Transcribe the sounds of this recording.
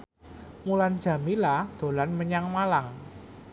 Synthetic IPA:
muland̥ʒ̥ä̤milahd̪̥o̤lanməɲaŋmalaŋ

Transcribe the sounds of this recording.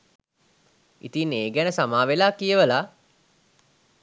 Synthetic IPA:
ḭt̪iːneːɡænəsamaːʋelaːkijəʋəla

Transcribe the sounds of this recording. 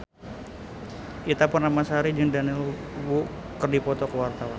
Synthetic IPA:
ʔit̪apʊrnamasaɾid͡ʒəŋdanilwu | kərdipɔt̪ɔkəwart̪awan

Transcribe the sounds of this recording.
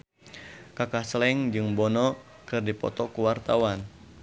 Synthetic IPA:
kakahslɛŋd͡ʒɨŋbɔnɔ | kɨrdipɔ̰t̪ɔkuwart̪awan

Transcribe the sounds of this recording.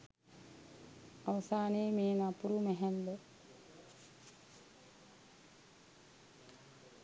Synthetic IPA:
aʋɐsaːneːmeːnapuɾumɛɦɛnd̪ə

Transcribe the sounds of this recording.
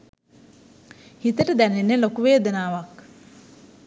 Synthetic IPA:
hit̪əʈəd̪ænenːəlokuʋeːd̪ənaːʋak

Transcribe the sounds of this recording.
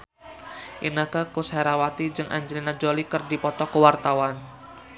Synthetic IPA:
ʔinəkəkushɛɾawat̪id͡ʒɨŋʔa̰ɲd͡ʒəlinad͡ʒolikərdipɔt̪ɔkəwart̪awan

